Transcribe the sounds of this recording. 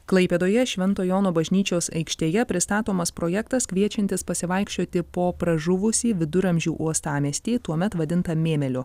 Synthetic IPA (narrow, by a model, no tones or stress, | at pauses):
klˠɐɪpʲeːd̪oːjɛʃʲʋʲɛnt̪oːjoːnoːbɐʒʲnʲiːt͡ʃʲoːsɐ̰ɪkʃʲt̪ʲeːjɛpʲɾʲɪst̪ɑːt̪oːmɐspɾoːjɛkt̪ɐskʲʋʲiɛt͡ʃʲɛnʲt̪ʲɪspɐsʲɪʋɐˑɪkʃʲt͡ʃʲoːt̪ʲɪpoːpɾɐʒʊʋʊsʲiːʋʲɪd̪ʊɾɐmʲʒʲuːʔuɔst̪ɑːmʲisʲt̪ʲiːt̪uɔmʲɛt̪ʋɐd̪ʲɪnt̪ɐmʲeːmʲɛlʲʊ